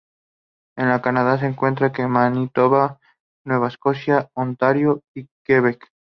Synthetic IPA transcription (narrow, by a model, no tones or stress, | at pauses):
enlakanað̞as̬eŋkwe̞nt̪̬ɾakemanit̪oβa | nwe̞βaeskosjaont̪aɾjoikeβek